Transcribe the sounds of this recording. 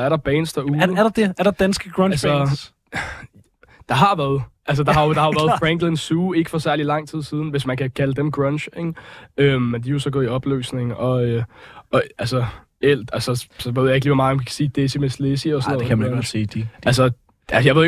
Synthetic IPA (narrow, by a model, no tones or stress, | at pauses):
æɐɾɑ̈b̥ɛːnd̥sd̥æɐuːɐɾ̥ɑd̥eæɐɾɑd̥ænsɡ̥əɡ̥ʁɔnls | d̥ɑ̈ɦɑ̈ʋæɐðˠʔæls̬əd̥ɑhɑ̈jo̝d̥ɑ̈hɑ̈oʋæɐðˠfʁɛŋɡ̥lensuːe̝ɡ̥əfɒ̽sæɐlilɑ̈ŋ̰t͡sʰið̰ˠsiːð̞ˠn̩ʋe̝smænkʰækʰæləd̥emɡ̥ʁɔnɕeŋømmend̥ijo̝sɒ̽ɡɔ̽ːðˠiɒ̽b̥ly̰ːsne̝ŋ̩ʔɒ̽øɒ̽ælsə | el̰d̥ælsɒsɒʋe̝ð̰ˠjɑe̝ɡ̥liːʋɒmɑ̈ːænkʰkʰæ̥siːd̥esimeslesiɒsɔnɔðeæmænsiːd̥ælsə | æsjɑ̈ʋe̝̰